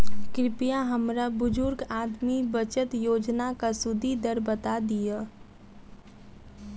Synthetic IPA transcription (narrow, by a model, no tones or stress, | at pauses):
kɾɪpɪjaɦɐmɾabʊd͡ʒʊɾɡaːd̪mibət͡ʃət̪joːd͡ʒnakasʊd̪ʱid̪əɾbət̪ad̪ija